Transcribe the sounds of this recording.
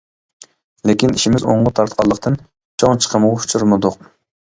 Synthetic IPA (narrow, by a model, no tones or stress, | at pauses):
lekʲiniʃimɪzo̰ɴʁʊt̪ʰɑɾt̪qʰɑlˠːəqt̪ʰɨn | t͡ʃʰoŋt͡ʃʰə̥qʰəmuwu̥t͡ʃʰuɾmɨd̪ʊq̚